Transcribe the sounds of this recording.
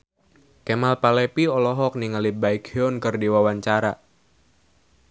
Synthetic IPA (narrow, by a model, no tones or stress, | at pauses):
kemalpalɛpiɔlɔɦɔk̚niŋalibaikɔnkɨrdiwawaɲt͡ʃaɾa